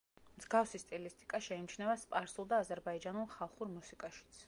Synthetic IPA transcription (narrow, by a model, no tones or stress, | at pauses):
mzɡafsist̪ʼilist̪ʼi̥kʼaʃɛimnit͡ʃʰnɛvaspʼaɾsulˠd̪aːzɛɾbaid͡ʒanulˠχalˠχuɾmusikʼaʃi̥t̪sʰ